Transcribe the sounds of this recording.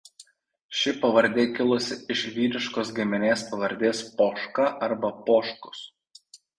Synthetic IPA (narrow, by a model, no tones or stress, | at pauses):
ʃʲɪpɐʋɐɾʲˑd̪ʲeːkʲɪlˠʊsʲɪɪʃʋʲiːɾʲɪʃkoːs̬ɡʲɪmʲɪnʲeːspɐʋɐɾʲd̪ʲeːspoːʃkɐʔɐɾbɐpoːʃkʊ̥s